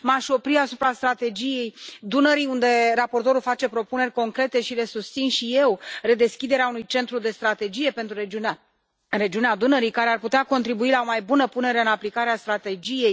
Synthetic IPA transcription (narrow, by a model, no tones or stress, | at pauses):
maʃo̞pɾiasupɾast̪ɾat̪e̞d͡ʒije̞jd̪unəɾijund̪e̞ɾapo̞rt̪o̞ɾulfat͡ʃe̞pɾo̞pune̞rʲko̞ŋkɾe̞t̪e̞ʃile̞sust̪sinʃije̞wre̞d̪e̞skʲid̪eɾeaunujt͡ʃe̞nt̪ɾud̪e̞st̪ɾat̪e̞d͡ʒije̞pe̞nt̪ɾue | ɾe̞d͡ʒiunead̪unəɾijkaɾe̞arput̪eako̞nt̪ɾibuilao̞majbunəpune̞ɾe̞ɨnaplikaɾeast̪ɾat̪e̞d͡ʒije̞j